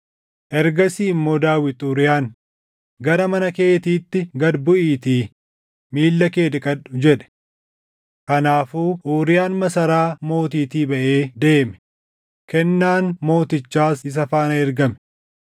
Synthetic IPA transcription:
ʔɛɾɡɐsiːmːo̞ːd̪aːwɪt̪uːɾɪjaːn | ɡɐɾɐmɐnɐke̞ːt̪iːt̪ːɪɡɐd̪bʊʔiːt̪iː | miːlːɐke̞ːd̪ɪkʼɐᶑʊ̥d͡ʒɛᶑɛ̥ | kɐnaːfuːʔuːɾɪjaːnmɐsɐɾaːmo̞ːt̪iːt̪iːbɐʔe̞ːd̪e̞ːmɛ̥ | kɛnːaːnmo̞ːt̪ɪt͡ʃːaːsɪs̬ɐfaːnɐɛɾɡɐmɛ

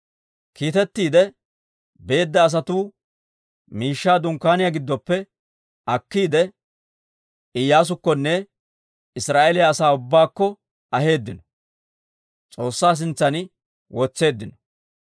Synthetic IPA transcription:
kiːt̪ɛt̪ːiːd̪ɛ | be̞ːd̪ːɐːs̬ɐt̪uː | miːʃːaːd̪ʊŋkːaːnɪjaɡɪd̪ːɔpːɛ | ɐkːiːd̪ɛ | ɪjːaːs̬ʊkːɔnːɛ | ɪsɾaːʔɛlɪjaːsaːʊbːaːkːɔ | ɐɦe̞ːd̪ːɪnɔ̥ | t͡sʼo̞ːsːaːs̬ɪnt͡sːɐnɪ | wɔt͡sːe̞ːd̪ːɪnɔ̥

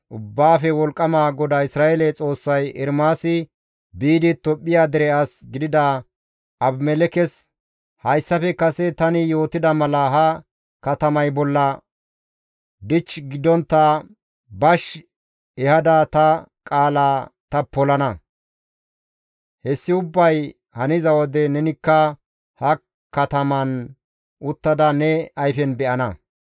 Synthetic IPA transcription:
ʔʊbːaːfɛwɔlkʼːɐmaːɡɔd̪ɐɪsɾaːelɛt͡sʼo̞ːsːɐjɛɾmaːsɪ | biːd̪ɪt̪ɔpʼːɪjaːd̪ɪɾɛɐsɡɪd̪ɪd̪aː | ɐbmɛlɛkɛs | hɐjsːɐfɛkɐsɛt̪ɐnɪjo̞ːt̪ɪd̪ɐmɐlɐɦɐ | kɐt̪ɐmɐjbɔlːɐ | d̪ɪt͡ʃːɡɪd̪ːɔnt̪ːɐ | bɐʃ | ɛhɐd̪ɐt̪ɐkʼaːlaːt̪ɐpɔlɐnɐ | hɛsːɪʊbːɐj | hɐnɪzɐwɔd̪ɛnɛnɪkːɐ | hɐ | kɐt̪ɐmɐn | ʔʊt̪ːɐd̪ɐnɛɐjfɛnbɛʔɐnɐ̰

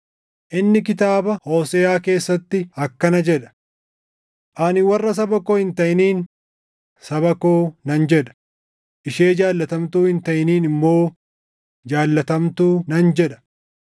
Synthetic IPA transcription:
ʔɪnːɪkɪt̪aːbɐho̞ːsɛːaːke̞ːsːɐt̪ːɪɐkːɐnɐd͡ʒɛᶑɐ̥ | ʔɐnɪwɐrːɐs̬ɐbɐkoːhɪnt̪ɐʔɪniːn | sɐbɐkoːnɐnd͡ʒɛᶑɐ̥ | ʔɪʃe̞ːd͡ʒaːlːɐt̪ɐmt̪uːhɪnt̪ɐʔɪniːnɪmːo̞ː | d͡ʒaːlːɐt̪ɐmt̪uːnɐnd͡ʒɛᶑɐ̥

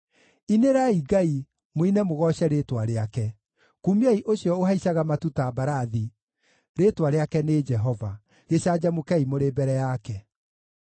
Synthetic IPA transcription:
ineɾaiɡai | moinɛmoɣɔɕɛɾeːtwaɾeakɛ | kumiaiʔoɕjɔoɦaiɕaɣamatutabaɾaði | ɾetwaɾeakɛned͡ʒɛɦɔva | ɣeɕad͡ʑamokɛimoɾebɛɾɛjakɛ

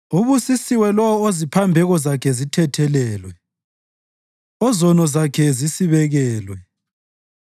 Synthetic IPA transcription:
uβusisiwɛlɔwɔozipʰambʱɛɣɔzakʰɛzitʰɛtʰɛlɛːlwɛ | ɔzɔnɔzakʰɛzisiβɛɣɛːlwɛ

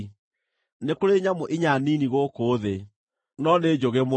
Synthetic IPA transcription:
nekoɾeɲamoʔiɲaniniɣokoːðe | nɔned͡ʑoɣemo

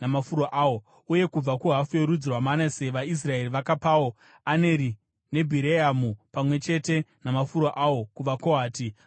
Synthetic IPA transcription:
namafuɾoʔaːwo̞ | uje̞kub͡vakuɦafujeɾud͡zirwamanaseʋais̬rae̞riʋakapawo̞ | ane̞ɾi | ne̞bʱiɾeamupamwe̞t͡ʃe̞te̞namafuɾoʔawo̞kuʋakoɦaːti

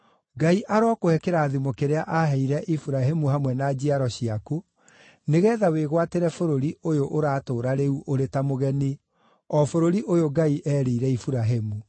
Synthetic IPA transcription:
ɡaiʔaɾwakohɛkeɾaːðimokeɾeaʔaɦɛiɾɛʔifuɾaɦemuhamwɛnaːd͡ʑiaɾɔɕiaku | neɣɛːðaweɣwateɾɛfoɾoɾiʔojoʔoɾaːtoːɾaɾeuʔoɾetamoɣɛni | ɔːfoɾoɾiʔojoɡaiʔɛːɾeiɾɛifuɾaɦemu

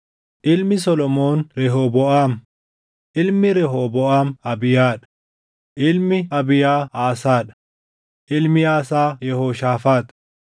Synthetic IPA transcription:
ʔɪlmɪs̬ɔlɔmoːnɾɛɦoːbɔʔaːm | ʔɪlmɪɾɛɦoːbɔʔaːmɐbɪjaːᶑɐ̥ | ʔɪlmɪɐbɪjaːaːsaːᶑɐ̥ | ʔɪlmɪaːsaːjɛhoːʃaːfaːt̪

